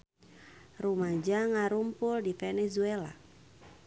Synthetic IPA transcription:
rumad͡ʒaŋaɾumpuldifɛnɛzuɛla̰

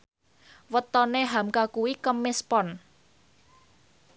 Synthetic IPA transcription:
wət̪ɔneɦamkakuwikəmɪspɔn

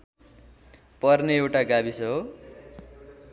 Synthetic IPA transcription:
pʌrneewʈaɡabisʌɦo

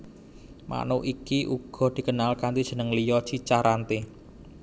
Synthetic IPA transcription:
mʔa̰nuʔikiʔuɡ̥ɔ̤d̪̥i̤kənalkant̪id̥ʒ̥ə̤nəŋlijɔt͡ʃit͡ʃaɾant̪e

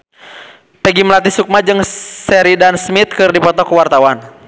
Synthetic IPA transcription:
pɛɡiməlat̪̬isuk̚mad͡ʒɨŋsɛɾidansmit̪̚kɨrdipɔt̪ɔkuwart̪awan

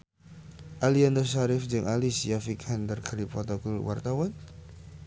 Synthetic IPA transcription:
ʔaliand̪əsaɾɪfd͡ʒɨŋʔalisjafikʰand̪ərkʰaɾipɔt̪ɔkɔlwa̰rt̪awan

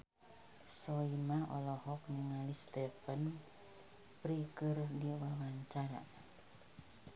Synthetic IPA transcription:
sɔimaɔ̰lɔhɔk̚niŋalist̪ɛfən | pɾikɨrdiwawaɲt͡ʃaɾa̰

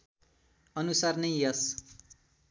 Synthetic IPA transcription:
ʌnusarnʌjʌs

